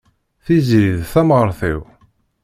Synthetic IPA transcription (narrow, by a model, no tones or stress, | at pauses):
θizɾiðθæmʁəɾθḭw